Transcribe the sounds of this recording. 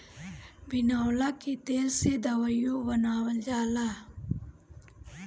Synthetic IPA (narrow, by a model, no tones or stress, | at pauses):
bɪnaːwlakit̪eːlsed̪əwajobənaːwəld͡ʒaːla